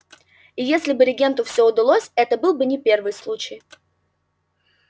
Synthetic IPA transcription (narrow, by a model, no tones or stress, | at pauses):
ɪjesʲlʲɪbɨɾʲɪɡʲe̞nt̪ʊfsʲɵʊd̪ɐlˠosʲɛt̪əbɨlˠbɨnʲɪpʲe̞rvɨjslˠut͡ɕɪj